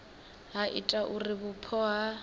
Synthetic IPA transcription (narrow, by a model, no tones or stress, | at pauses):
ɦaʔḭtʼaʔurɪbʊpʰɔɦa